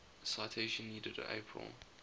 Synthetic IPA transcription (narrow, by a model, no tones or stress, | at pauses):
saɪtʰeɪʃə̃nːiːdədə̰ḛpʰɹə̰lˠ